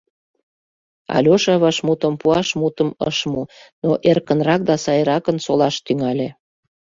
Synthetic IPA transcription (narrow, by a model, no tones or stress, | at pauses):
ɑ̰lʲoʃɑβɑʃmut̪əmpuɑʃmut̪əmə̰ʃmunoʔerkənrɑk̚d̪ɑsɑjɾɑkənsolɑʃt̪yŋɑlʲe